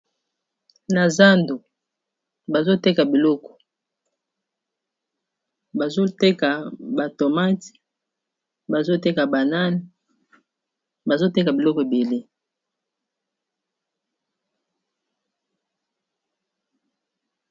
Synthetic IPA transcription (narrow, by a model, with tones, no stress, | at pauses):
na˨za˦ndo˨ | ba˨zo˦te˦ka˨bi˨lɔ˦kɔ̥˨ | ba˨zo˦te˦ka˨ba˨to˨ma˦ti̥˨ | ba˨zo˦te˦ka˨ba˨na˦ni˨ | ba˨zo˦te˦ka˨bi˨lɔ˦kɔ˨e˨be˨le˦